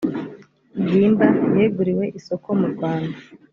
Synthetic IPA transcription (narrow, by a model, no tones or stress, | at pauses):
ɡiːmbajeɡuɾiwe̞ʔiso̞ko̞muɾɡwaːnda